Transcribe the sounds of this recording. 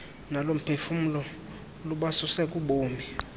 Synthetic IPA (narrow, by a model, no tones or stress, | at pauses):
nalom̩pʰefum̩lɔ | luɓasusɛkʼuɓoːmi